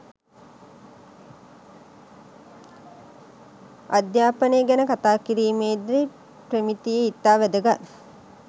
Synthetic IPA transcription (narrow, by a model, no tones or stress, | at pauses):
ad̪jaːpənejːɡænəkat̪aːkiɾiːmeːd̪ɾi | premit̪ijeit̪ːaːʋæd̪əɡa